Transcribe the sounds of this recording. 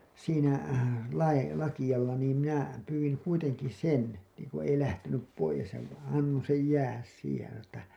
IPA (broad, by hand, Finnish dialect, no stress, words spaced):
siːnæ lɑi lɑkij̆ɑlːɑ niːm minæ pyːwiŋ kuiteŋki sen niːŋku ei læhtenyp poijes jɑ ʋ ɑnːõː sej jæːhæs siːhej jɑ sɑno tːæ